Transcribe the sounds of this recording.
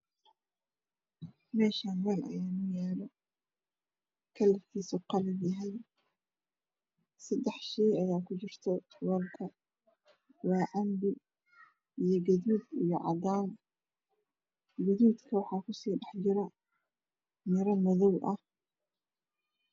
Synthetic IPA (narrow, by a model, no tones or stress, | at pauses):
mɛːʃaːnwɛːlʔɐ̰jaːnʊjɛːlɔ | kʰɐlɐk̪ʰiːsɔqɑlɐbjɐɦɛj | sɐd̪ɛħʃɛjɐjaːkʰʊd͡ʒɪrt̪ʰɔ | wɔlkʰɐ | wɑːʕɑmbɪ | ʔijɞɡɐðuːd̪ijɞʕɑ̰d̪aːn | ɡɐðuːd̪kʰɐwɑħɑːkʰʊsiːɖɑħt͡ʃɪɾɐ | mɪɾɐmɔðɔwʔɐh